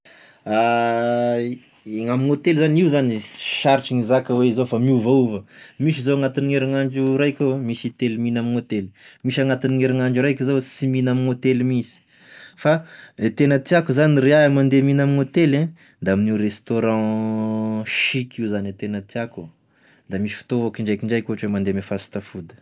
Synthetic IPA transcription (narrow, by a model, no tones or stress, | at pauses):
a | ŋaminot̪elzaniuzaniʃaɾʈ͡ʂiŋizakəweizofamiuvauvəmiʃ̬izoaŋat̪inieɾiŋaɳd͡ʒuɾajkʲawemisit̪eliminaminot̪elmiʃaŋat̪iniŋeɾiŋaɳd͡ʒuɾajkʲizawsiminaminot̪elmisi̥ | faet̪enət̪iakuzaniɾeamand̪eminaminot̪elɛ̃ | d̪aaminiurest̪oɾɑ̃ | ʃikʰiwzanet̪enət̪iaku | d̪̥amiʃi̥fi̥t̪oakiɳɖ͡ʐajkiɳɖ͡ʐajkʲuɦaʈ͡ʂwemand̪emefasi̥t̪afud̪ə̥